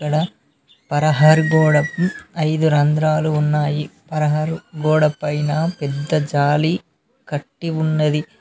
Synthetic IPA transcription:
kɐɽɐ | pɐɾɐɦɐɾɡɔːɽɐpɐjd̪uɾɐnd̪ɾaːluunːaːjipɐɾɐɦɐɾɡɔːɽɐpɐjnɐːpɛd̪ːɐd͡ʒaːli | kɐʈːiunːɐd̪i

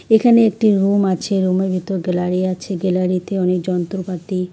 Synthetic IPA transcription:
ekʰaneek̚ʈiɾumat͡ɕʰeɾumebʱit̪oɾɡelaɾiat͡ɕʰeɡelaɾit̪eɔnek̚d͡ʑɔnt̪ɾopat̪i

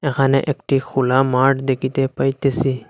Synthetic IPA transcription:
ekʰanɛʔekʈʰixʰulamaʈd̪ekʰit̪epajt̪esi

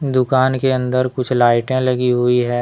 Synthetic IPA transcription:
d̪ʊkaːnkeɐ̃nd̪əɾkʊt͡ʃʰlaːɪʈẽlɐɡiɦʊiɦɛː

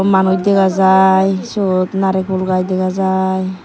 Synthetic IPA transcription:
manujd̪eɡazajsot̪naɾek̚bɔlɡajdeɡazaj

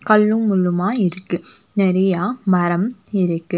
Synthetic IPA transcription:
kɐlːɯmʊlːɯmaːɪɾɯkːɯnɪɾɐjaːmɐɾɐmɪɾɯkːɯ

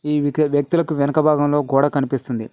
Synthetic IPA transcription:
iːʋʋjɐk̚t̪ulɐkuʋɛnɐkɐbʱaːɡɐmlo̞ːkuːɽaːkɐnipist̪und̪i

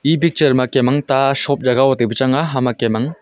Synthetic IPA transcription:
ibik̚t͡ʃɐɾmakemaŋtasɔp̚d͡ʒaɡawɔtebɯt͡ʃaŋaɦamakemaŋ

